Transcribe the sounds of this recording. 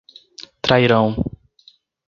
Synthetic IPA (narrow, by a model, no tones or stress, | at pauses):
t̪ɾaiɾɐ̃w̃